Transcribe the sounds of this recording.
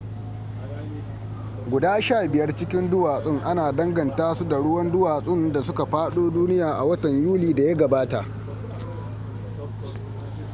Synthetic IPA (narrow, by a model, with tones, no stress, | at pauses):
ɡʷʊ˨daː˦ʃaː˦˨bɪ˨jɐ˦rt͡ʃɪ˦kʲɪ˦ndʊ˦waː˨sʼɪ˦ŋʔa˦naː˨dɐ˦ŋɡɐ˨ntaː˦su˦da˨ɽʊ˦wɐ˦ndʊ˦waː˨sʼɪ˦nda˨sʊ˦ka˨ɸaː˦ɗoː˦duː˦nɪ˦jaː˨ʔa˨wɐ˦tɐ˨ɲjuː˦liː˨da˨ja˦ɡɐ˨baː˦ta˨ʔ